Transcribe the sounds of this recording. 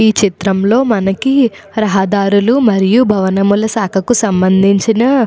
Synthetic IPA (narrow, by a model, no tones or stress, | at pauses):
iːt͡ʃit̪ɾɐmlo̞ːmɐnɐki | ɾɐɦɐd̪aːɾulumɐɾijubʱɐʋɐnɐmulɐsaːkʰɐkusɐmbɐnd̪ʱiɲt͡ʃinɐ